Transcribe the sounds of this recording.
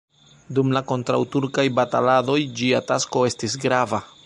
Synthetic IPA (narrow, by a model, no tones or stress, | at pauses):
dumlako̞ntɾa̰wtuɾkajbatalado̞jd͡ʒiatasko̞e̞stisɡɾava